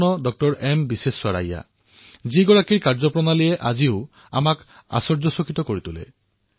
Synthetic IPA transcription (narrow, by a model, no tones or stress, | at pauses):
nɔdɔk̚tɔɹɛmbisesːwaɹa̰ja̰ | ziɡɔɹakiɹkaɹzɔpɹɔnalijɛʔaziʊ | a̰mak | a̰sɔɹzɔsɔkitɔkoɹitʊlɛ̰